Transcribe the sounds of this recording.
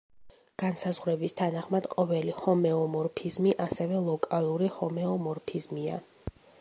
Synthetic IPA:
ɡ̥ansazʁwɾɛbist̪ʰanaχmad̪̥qʼɔvɛlihɔmɛɔmɔɾpʰizmiʔasɛvɛlˠɔkʼalˠuɾihɔmɛɔmɔɾpʰizmia̰

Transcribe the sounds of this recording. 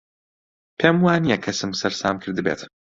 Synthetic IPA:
pʰeːmwaːnijɐkʰɐsɨmsɐɾsaːmkʰɨɾd̪ɨbḛːt̪

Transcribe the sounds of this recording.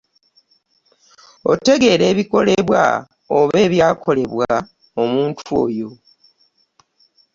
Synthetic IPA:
o̞̰te̞ɡe̞ːɾe̞ːβiko̞le̞βwa̰ | oβe̞ːβjaːkʰo̞le̞βwa | omuːntʰuo̞̰ːjo̞

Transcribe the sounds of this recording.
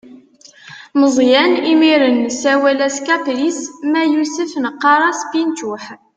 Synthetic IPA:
məzˤjænimiɾənːsæwælæskæplismæjusəfnəqːɑɾˤɑsbint̪ʊħ

